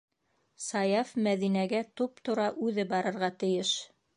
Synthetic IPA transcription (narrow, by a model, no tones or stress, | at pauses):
sɑjɑfmæðinæɡæt̪up̚t̪ŏɾɑʔʉðɘbɑɾɤ̆ɾʁɑt̪ɘ̆jɘʃ